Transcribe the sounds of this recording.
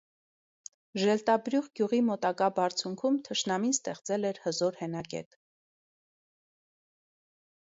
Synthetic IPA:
ʒəɾɛlt̪ɑbɾjuʁɡjuʁimɔt̪ɑkɑbɑɾt͡sʰjuŋkʰumt̪ʰəʃnɑminst̪ɛχt͡sɛlɛɾhəzɔɾhɛnɑkɛ̰t̪

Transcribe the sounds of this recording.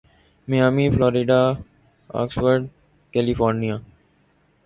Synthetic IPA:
mɪjaːmiːflɔːɾɪɖaː | a̰ːksʋəɾɖ | kɛlifɔːɾnijaː

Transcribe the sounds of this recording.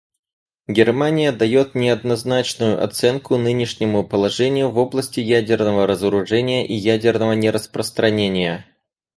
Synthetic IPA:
ɡʲɪrmanʲɪjəd̪ɐjo̞t̪nʲɪɐd̪̚nɐznat͡ɕnʊjʊʔɐ̰t̪sɛnkʊnɨnʲɪʂnʲɪmʊpəlˠɐʐɛnʲɪjʊvo̞blˠəsʲtʲɪjædʲɪrnəvəɾəzəɾʊʐɛnʲɪjəʔijædʲɪrnəvənʲɪɾəspɾəst̪ɾɐnʲenʲɪjə

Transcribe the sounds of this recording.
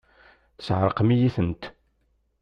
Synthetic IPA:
θə̥sʕɾˤəqmijiθənt̪

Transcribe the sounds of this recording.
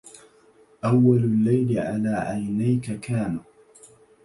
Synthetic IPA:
ʔawːalʊlːajlɪʕa̰laːʕajnajkakʰaːna

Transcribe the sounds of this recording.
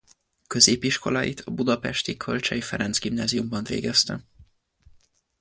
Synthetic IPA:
kø̞zeːpiʃko̞̰laːjit̪ʰɒbud̪ɒpɛʃt̪ikʰølt͡ʃɛjifɛɾɛnzɡimnaːzijumbɒɱvḛːɡɛst̪ɛ

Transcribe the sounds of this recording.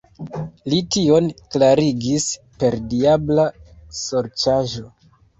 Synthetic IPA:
litio̞nklaɾiɡis | pe̞ɾdiablaso̞ɾt͡ʃaʒo̞

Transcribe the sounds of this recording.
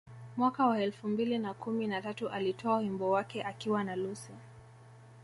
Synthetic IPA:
mwakawaɛlfumbilinakuminatatuʔalitʰɔawimbɔwakɛʔakiwanalusɛ

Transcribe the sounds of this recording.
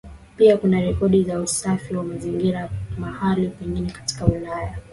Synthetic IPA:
piakunaɾɛkɔɗizausafiwamaziŋɡiɾamahalipɛŋɡinɛkḁti̥kaulaja

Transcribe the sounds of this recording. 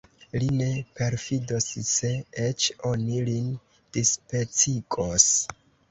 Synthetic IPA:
line̞pe̞ɾfidosse̞et͡ʃo̞nilin | d̥ispe̞t͡siɡos

